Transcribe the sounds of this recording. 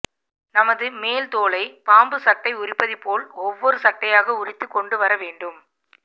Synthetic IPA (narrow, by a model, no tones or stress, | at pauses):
nɐmɐðɯmeːlt̪oːlɐɪpaːmbɯsɐʈːɐɪʊrɪpːɐðɪpːoːlɔʋːɔɾɯsɐʈːɐjaːɣɐʊrɪt̪ːɯkːɔɳɖɯʋɐɾɐʋeːɳɖɯm